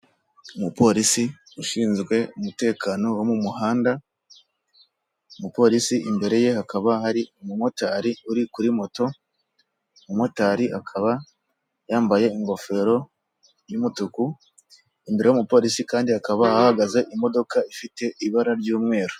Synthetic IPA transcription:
umupo̞ːɾisi | uʃiːnzɡwe̞umute̞ːkaːno̞womumuhaːnda | umupo̞ɾisiimbe̞ɾe̞je̞hakaβahaɾiumumo̞taɾiuɾikuɾimo̞to̞ | mumo̞taːɾiʔakʰaβa | jaːmbaje̞iŋɡo̞fe̞ːɾo̞ | jumutuku | imbe̞ɾe̞jumupo̞ːɾisikaːndiakaβahaahaɡaze̞ʔimo̞do̞kaifite̞iβaɾaɾɟuːmŋe̞ːɾo

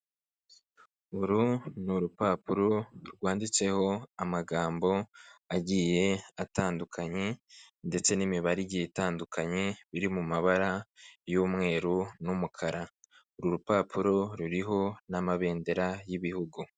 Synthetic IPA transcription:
uɾunuɾupaːpuɾo̞ɾɡwaːndit͡se̞ho̞amaɡaːmbo̞aɟije̞ataːndukʰaɲe̞nde̞t͡se̞nimiβaɾiɟijetaːndukʰaɲe̞βiɾimumaβaɾajoːmŋe̞ːɾunumukʰaɾa | uɾuɾupaːpʰuɾo̞ɾuɾiɦo̞namaβe̞ːnde̞ɾajiβihuɡu

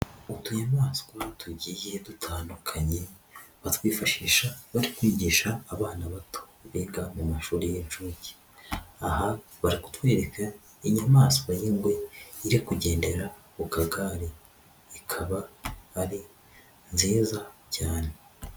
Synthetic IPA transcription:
utuɲamaːso̥kuβatuɟije̞dutʰaːndukʰaɲe̞ | βatwiːfaʃiːʃaβaɾikwiːɟiːʃaːβaːnaβatʰo̥βiɡamumaʃuːɾejenʃuɟi̥ | aha | βaɾiku̥twe̞ːɾe̞kʰa | iɲamaːsoβajiŋɡwe̞iɾikuɟe̞ːnde̞ɾa | βukaɡaɾeː | kʰaβaːɾi | nziːzacaːne̞

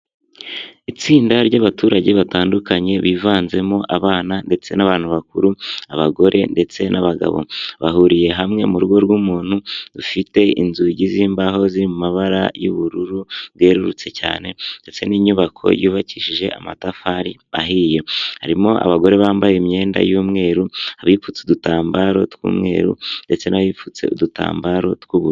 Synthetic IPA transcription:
it͡siːndaɾɟaβatuːɾaɟe̞βataːndukaɲe̞βivaːnze̞mo̞ʔaβaːnande̞t͡se̞naβaːn̥uβak̚uɾuaβaɡo̞ɾʔe̞̰nde̞t͡se̞nʔaβaɡa̰βo̞̰βaɦuɾije̞ɦamŋe̞̰muɾuɡo̞ɾɡumuːn̥hudufite̞inzuɟiziːmbaɦo̞ziɾimumaβaɾajuβuɾuɾuβɡe̞ːɾuɾut͡se̞ca̰ːnende̞t͡se̞niːɲuβakʰo̞̰juːβaciʃiʒe̞̰ʔa̰matafaɾiaɦiːjo̞haɾimo̞ʔa̰βaɡo̞ɾe̞βaːmbajemɲe̞ːnda̰juːmŋe̞ːɾuaβifut͡seudutaːmbaɾo̞̰tkṵːmŋe̞̰ːɾṵnde̞t͡se̞naβiːfut͡se̞̰uduta̰ːmbaɾo̞tkwuβuɾu

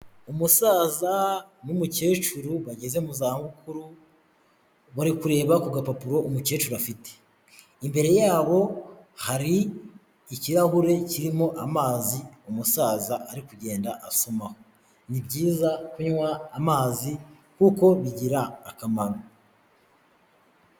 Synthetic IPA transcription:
umusaːzanumuce̞ːt͡ʃuɾuβaɟe̞zemuzaːhaβukuɾu | βaɾikuɾe̞ːβakuɡapapuɾo̞umuce̞ːt͡ʃuɾafite̥ | imbe̞ɾe̞jaːβo̞haɾiː | ciɾahuɾe̞ciɾimo̞ʔamaːziumusaːzaːɾikuɟe̞ːndaʔaso̞maho | nibɟiːzakuɲwaːmaːzi | kuko̞βiɟiɾaːkamaɾo

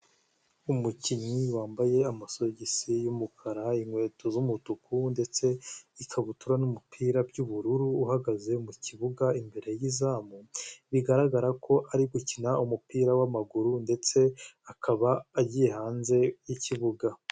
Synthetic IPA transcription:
umuciɲiwaːmbaje̞amaso̞ɟisijumukʰaɾaiŋwe̞ːtʰozumutukunde̞t͡se̞ikʰaβutuɾanumupʰiːɾabɟuβuɾuɾuːhaɡaze̞muciβuɡaimbe̞ɾe̞jizaːmuβiɡaɾaɡaɾakʰo̞ʔaɾiɡucinaumupiːɾawamaɡuɾunde̞t͡se̞akʰaβaːɟije̞haːnze̞jiciβuɡa

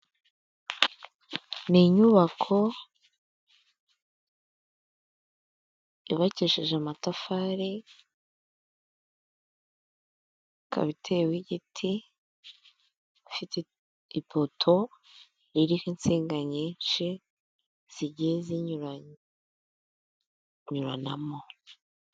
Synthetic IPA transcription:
niɲuβakʰo̞ | iβaciʃeʒeamatafaːɾe | kʰa̰βitʰewiɟitʰi | fit | ipʰotʰo | iɾihinseːŋɡaɲenʃe | z̥iɟiezi | ɲuɾa̰namo̞

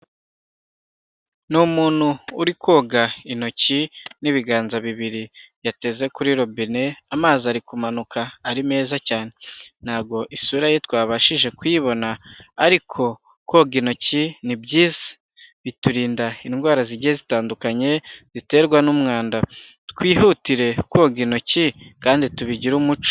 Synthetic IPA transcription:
numuːn̥huːɾikoːɡaino̞ciniβiɡaːnzaβiβiɾijate̞ze̞kuɾiːɾo̞bine̞amaːziaɾikumanukʰaːɾime̞ːzacaːne̞n̥habɡo̞ʔisuɾajetwaːβaʃiʒe̞kwiβo̞naːɾikʰo̞ | koɡino̞cinibɟiːzḁ | βituɾiːndaiŋɡwaːɾaziɟiezitaːndukaɲe̞z̥ite̞ːɾɡwanumŋaːnda | tkwiːɦutiɾe̞kwoɡino̞cikaːndituβiɟiɾumut͡ʃo̥

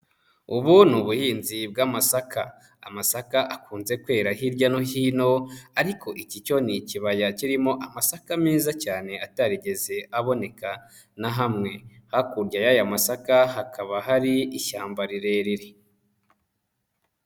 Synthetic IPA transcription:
uβunuβuhiːnzib̚ɡamasakʰaː | masakaʔakuːnze̞kwe̞ːɾaɦiɾɟano̞hiːno̞aɾikʰo̞ʔicico̞niciβajaciɾimo̞ʔamasakamiːzacaːne̞ataɾiɟe̞ze̞ʔaβo̞ne̞ka | naɦamŋe̞hakuɾɟajajamasakaɦakʰaβaɦaɾiiʃaːmbaɾiɾe̞ɾiɾe

